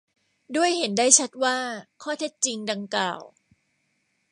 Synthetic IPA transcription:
du˥˩əjhe˩˦ndaː˥˩jt͡ɕʰa˦˥t̪̚waː˥˩kʰɔː˥˩t̪ʰe˦˥t̪̚t͡ɕi˧ŋda˧ŋkla̰ː˨˩w

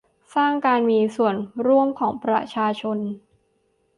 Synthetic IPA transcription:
saː˥˩ŋkaː˧nmiː˧su˨˩ənɾu˥˩əmkʰɔː˩˦ŋpɾa̰˧t͡ɕʰaː˧t͡ɕʰo˧n

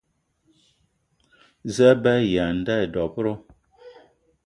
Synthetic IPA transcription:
zə˦ba˦˨ja˨n̩˨˦da˦˨dɔ˨pɾo˦

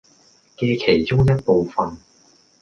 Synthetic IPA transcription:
keː˧kʰe˨˩jt͡ʃʊ˥ŋjɐ˥t̚po˨˧wfɐ˨n

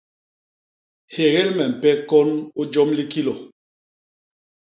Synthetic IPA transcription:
he˨ɣɛ˦lmɛ˨m̩˨pɛ˦kɔ˦nu˦d͡ʒɔ˦mli˦ki˦lo˨

